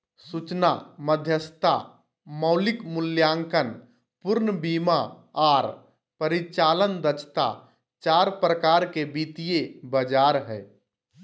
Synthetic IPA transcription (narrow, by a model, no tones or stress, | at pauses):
sut͡ʃna̰məd̪ʱjəst̪ʰa | məʊlɪkmʊljaːŋkən | pʊɾnbiːma | aːɾ | pəɾit͡ʃaːlənd̪ət͡ʃʰt̪a̰ | t͡ʃaːɾpɾəkaɾkebit̪ijebəd͡ʒaːɾɦɛ